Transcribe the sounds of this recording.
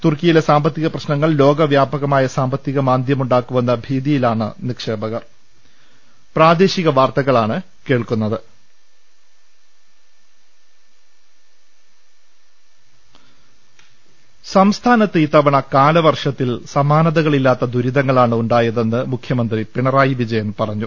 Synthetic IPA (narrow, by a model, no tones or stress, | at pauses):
t̪urkijile̞saːmbɐt̪ːiɣɐprɐɕnɐŋːɐɭlo̞ːɡɐʋjaːbɐɣɐmaːjɐsaːmbɐt̪ːiɣɐmaːnd̪ʱjɐmuɳɖaːkːuʋɐnːɐbʱiːðijilaːɳɨnikʂe̞ːbɐɣɐ | praːd̪e̞ːɕiɣɐʋaːrt̪ɐɣɐɭaːɳɨ | ke̞ːɭkunːɐðɨ | sɐmst̪ʰaːnɐt̪ːit̪ːɐʋɐɳɐkaːlɐʋɐrʂɐt̪ːilsɐmaːnɐðɐɣɐɭilːaːt̪ːɐd̪uɾiðɐŋːɐɭaːɳɨuɳɖaːjɐðe̞nːɨmukʰjɐmɐnd̪ripiɳɐraːjiʋid͡ʑɐjɐmnpɐrɐɲːu